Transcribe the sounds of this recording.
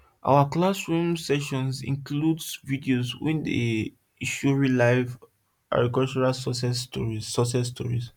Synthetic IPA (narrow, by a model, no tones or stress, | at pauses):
ʔa̰waklasɹũmsɛʃɔ̃nsḭ̃ŋkludsvidioswḭ̃ndḛ | iʃuɹilaɪv | ʔa̰ɡɹikɔlt͡ʃuɹasɔsɛstɔ̰ɹiɔsɛstʰɔ̰ɹis